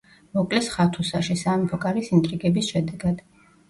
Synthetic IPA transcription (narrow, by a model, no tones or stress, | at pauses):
mɔkʼlɛsχat̪ʰusaʃɛsamipʰɔkʼaɾisint̪ʼɾiɡɛbisʃɛd̪ɛɡad̪̥